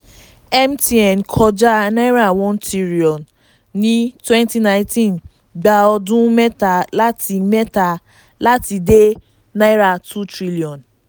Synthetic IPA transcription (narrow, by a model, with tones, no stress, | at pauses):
ɛ˦m˦ti˦ɛ˨n˨kʰɔ˦d͡ʒa˦˨na˦ɪ˦ɾa˨wɔ̃˦ntʰi˦ɾi˨ɔ˨nː | i˦twɛ̃˦nti˦nã˨ɪ˦tʰĩ˦n | ɡ͡ba˨ɔ˦dʊ̃˦me˦ta˨la˦ti˨me˦ta˨ | la˦ti˨de˦ | na˦i˦ɾa˨tʰu˦tɾi˦li˨ɔ˨n